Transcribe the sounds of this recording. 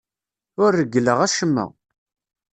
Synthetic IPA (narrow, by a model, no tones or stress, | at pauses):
ʊɾːəɡələʁæʃəmːə̰ʁ